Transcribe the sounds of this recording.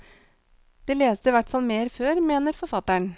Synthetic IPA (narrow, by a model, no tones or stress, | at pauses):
d̪̥eːleːsd̪əiːʋæʈfɑlmeːɾføːɾmeːnəɾfɔɾfɑt̪ːæɳ